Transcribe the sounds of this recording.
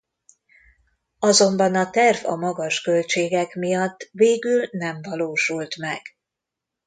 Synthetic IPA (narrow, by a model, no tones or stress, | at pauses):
ɒzo̞mbɒnɒt̪ɛrvɒ̰mɒɡɒʃkø̞lt͡ʃeːɡɛkmijɒt̪ːveːɡylnɛɱvɒloːʃult̪mɛɡ̥